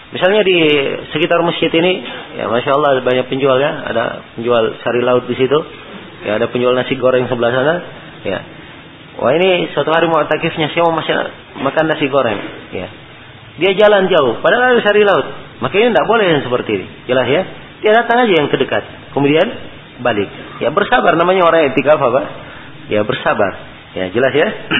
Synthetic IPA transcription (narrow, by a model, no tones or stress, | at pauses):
misalɲadisəkit̪arməst͡ʃɪt̪inija̰maʃaːlˠːɑdbaɲak̚pəɲd͡ʒualjaa̰da̰pəɲd͡ʒualsaɾilaʊt̪̚disit̪u | ja̰ːdapəɲd͡ʒualnasiɡoɾɛŋsəbəlahsana | ja̰ | wʔa̰inisəat̪uɦaɾimaat̪akɪfɲasajaməmasa̰ | makanːasiɡoɾɛ̰ŋja̰ | diad͡ʒaland͡ʒaʊhpadalasaɾilaʊt̪̚makainindaʔbolɛhdansəpərt̪iːnḭ | d͡ʒəlasja | t̪idadat̪aŋad͡ʒajaŋt̪ərdəkat̪̚ | kəmudian | balɪk̚ja̰bərsabarnamaɲaoɾaŋɛt̪ikafapa | jabərsaba̰r | ja̰d͡ʒəlasja